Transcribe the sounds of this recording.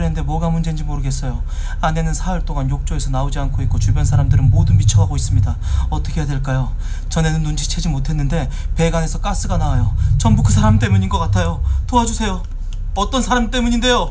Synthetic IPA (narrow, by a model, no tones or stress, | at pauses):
ɾennde̞mwʌɡamund͡ʑe̞nd͡ʑimoɾɯɡe̞s͈ʌjo | ane̞nɯnsʰaʌɭt͈oŋanjok̚t͡ɕ͈oe̞sʰʌnaod͡ʑiankʰoik̚k͈ot͡ɕubjʌnsʰaɾamdɯɾɯnmodɯnpit͡ɕʰʌɦaɡois͈ɯmɲidaʌt͈ʌkʰe̞jadweɭk͈ajo | t͡ɕʌne̞nɯnːund͡ʑʰi̥t͡ɕʰe̞d͡ʑimotʰe̞nːɯnde̞ | pe̞ɡane̞sʰʌk͈as͈ɯɡanawajot͡ɕʌmbukɯsʰaɾamt͈e̞muɲinɡʌk͈atʰajotoɦad͡ʑusʰe̞jo | ʌt͈ʌnsʰaɾamt͈e̞muɲinde̞jo